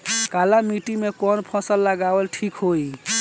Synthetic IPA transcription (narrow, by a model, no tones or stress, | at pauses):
kalamiʈimekɔnpʰɔ̃səlːəɡawəlʈʰikɦoi